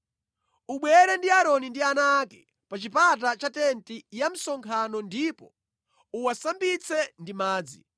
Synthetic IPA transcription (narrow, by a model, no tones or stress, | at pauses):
uɓwɛɾɛndiaɾɔnindianakɛ̥ | pat͡ʃipat̬at͡ʃatɛntijam̩sɔŋkʰanɔndipɔ | uwasambit͡sʰɛndimaːd͡zḭ